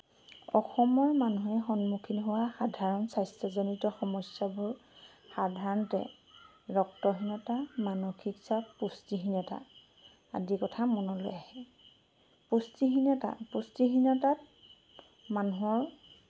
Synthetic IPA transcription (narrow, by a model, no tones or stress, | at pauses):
ɔxɔmɔɹmanuɦɛxɔnmukʰinɦʊwaxadʱaɹɔnsajstɔzonitɔxɔmɔsjabʊɹ | xadʱaɹɔntɛ̰ | ɹɔktɔɦinɔtamanɔxiksapustiɦinɔta̰ | a̰dikɔtʰamɔnɔlo̰jahɛ | pustiɦinata̰pustiɦinatat̚ | manuɦɔɹ